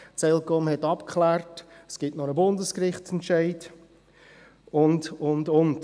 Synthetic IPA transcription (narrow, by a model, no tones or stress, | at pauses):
t͡sɛlkɔmhɛtɑpkχlæːrtəsɡ̥ɪtnɔɾəbʊndəskɾɪχtt͡sɛntʃaɪt | ʊndʊndʊnt